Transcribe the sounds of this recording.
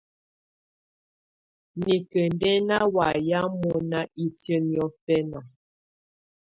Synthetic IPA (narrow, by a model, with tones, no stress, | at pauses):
ni˨kə˨n˦dɛ˦na˦wa˨ja˦mɔ˦na˦i˨tjə˦njɔ˦fɛ˦na˨